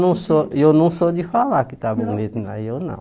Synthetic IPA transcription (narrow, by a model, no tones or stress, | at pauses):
nũsojonũŋsod̪ifalakit̪abuŋnit̪na̰jonã̰